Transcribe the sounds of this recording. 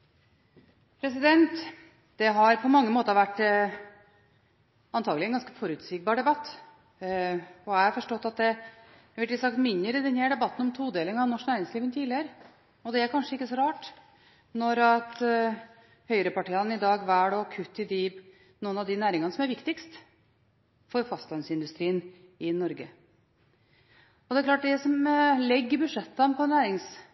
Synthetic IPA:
pʰɾɛsɪd̪ɛnt̪ | d̪̥ɛɦɑɾpʰɔmɑŋːəmoːt̪əɾʋæʈː | ɑnt̪ʰɑːɡlɪɛnɡɑnskə̥fɔɾʉt̪sɪk̚bɑːɾɖ̪ɛbɑt̪ː | ɔæɪhɑɾfɔʂʈɔt̪ːɑt̪̚d̪ɛ | ʋɪɪsɑkt̪mʏnːəɾɪd̪ɛnhæɖɛbɑt̪ːn̩ɔmt̪ʰuːd̪eːlɪŋɑʋnɔʂnæːɾɪŋsliːʋənt̪ʰiːlɪəɾə | ɔd̪ɛæɾkʰɑnʂəɪkːəsɔɾɑːʈ | nɔɾɑt̪ | hœʏɾəpɑʈiːɑnɪd̪ɑːɡʋæːɽɔkʰʉt̪ːɪd̪iːb | nuːənɑd̪ɪnæːɾɪŋɑnəsɔmæɾʋɪkt̪ɪkst̪ | fɔɾfɑst̪lɑnsɪnd̪ʉst̪ɾiːən | ɪnɔɾɡə | ɔd̪ɛkʰlɑːʈ̚ɖ̪ɛsɔmlɛɡːəbʉʂɛt̪ːɑnpʰɔnæːɾɪŋs

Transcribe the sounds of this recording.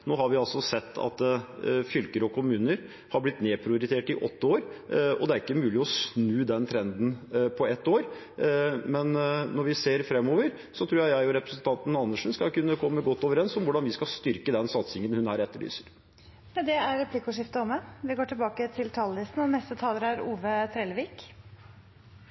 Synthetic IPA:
noːhɑɾʋɪɑlsɔsɛt̪ʰːɑ̰t̪fʏlkəɾɔkʰʊmʉːnəɾ | hɑɾblɪt̪neːpʰɾɪʊɾɪt̪ʰeːʈɪʔɔ̰t̪ːəoːɾɔ̰d̪ɛæɾɪkːəmʉːlɪɔsnʉːd̪ɛnt̪ʰɾɛnd̪n̩pʰɔɛt̪ːoːɾ | mɛnnɔɾʋɪseːɾfɾɛmːoːʋəɾ | sɔt̪ʰɾuːjæɪjæɪɔɾɛpɾəsənt̪ʰɑnt̪n̩ɑnːəʂnskɑkʉnːəkʰɔmːəɡɔt̪ːoːʋəɾɛnsɔmʋʊɖɑnʋɪskɑst̪ʏɾkəd̪ɛnsɑt̪sɪŋənhʉnhæːɾɛt̪ːəɭy̰ːsəɾ | d̪ɛæɾɾɛpʰlikʊʂɪft̪əɔmːɛʋɪɡoːʈɪlbɑːkət̪ʰɪlt̪ʰɑːləlɪst̪n̩ɔnɛst̪ət̪ʰɑːləɾæɾuːʋət̪ʰɾɛːlʋiːk

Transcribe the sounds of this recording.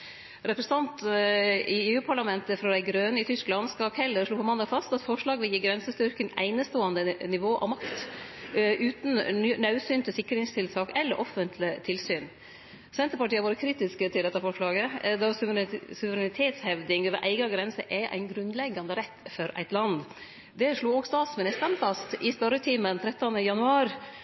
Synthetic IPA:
ɾɛpɾəsət̪ɑnt̪ | ɪeːʉːpʰɑɭɑmɛnt̪əfɾɔd̪æɪɡɾøːnəɪt̪ʰʏsklɑnskɑkhɛlːəɾʂɭuːpɔmɑnd̪ɑfɑst̪ɑt̪fɔʂɭɑːɡəʋɪljiːɡɾɛnsəst̪ʏɾkənæ̰ɪnəst̪oːɑnd̪ənɪʋoːʔɑ̰ʋmɑkt̪ | ʔʉːt̪n̩nɑʉsyːnt̪ʰɪsɪkːɾɪŋst̪ʰɪlt̪ʰɑːkɛlːəɾʔɔfənt̪ʰlɪt̪ʰɪlsyːn | sɛnt̪əɾpɑʈiːəʋoːɾəkʰɾiːt̪ɪskət̪ʰɪld̪ɛt̪ːɑfɔʂɭɑːɡəd̪ɑsʉsʉʋəɾɛnɪt̪ʰeːt̪shɛʋd̪ɪŋøːʋə̰ɾʔæ̰ɪɡɑɡɾɛnsəʔɛʔæ̰ɪnɡɾʉnlɛɡːɑnd̪əɾɛt̪ːfɔɾʔæ̰ɪt̪lɑnd̪ | d̪ɛʂɭuːoːɡst̪ɑːt̪smɪnɪst̪əɳfɑst̪ɪspœɾət̪ʰiːmənt̪ʰɾɛt̪ːɑnəjɑnʉɑːɾ

